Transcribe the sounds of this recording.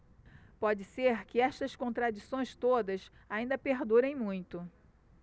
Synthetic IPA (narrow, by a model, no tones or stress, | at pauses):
pɔd͡ʒɪseɾkɪɛst̪ɐskõnt̪ɾad͡ʒisõj̃st̪od̪ɐsaĩnd̪ɐpeɾd̪uɾẽj̃mũj̃t̪ʊ